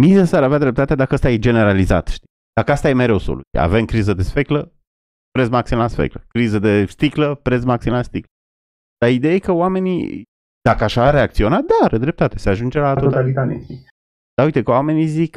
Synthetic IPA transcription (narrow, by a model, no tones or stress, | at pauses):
mizesaɾavead̪ɾe̞p̚t̪at̪ead̪akəast̪ajed͡ʒe̞ne̞ɾaliza̰t̪ʃt̪i | d̪̥akəast̪aje̞meɾeoso̰lṵja̰ve̞mkɾizəd̪e̞sfeklə | pɾet̪smaksimlasfḛkləkɾizəd̪e̞st̪ikləpɾet̪smaksimlast̪iklə | d̪̥aid̪ejajekəwame̞nḭ | d̪̥akəaʃaːɾeakt̪sio̞nat̪̚d̪aɾəd̪ɾe̞p̚t̪at̪eseaʒund͡ʒelat̪oot̪alit̪at̪ḛi | d̪aujt̪ekəwame̞nizik